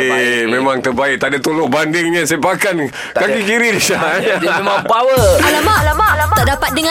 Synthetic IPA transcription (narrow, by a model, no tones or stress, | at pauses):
memaŋt̪ərbaɪʔ̚t̪adat̪olʊʔbandɪŋɲãspakan | kakikiɾidisamapawəalamalaat̪aʔdapat̪̚dəŋã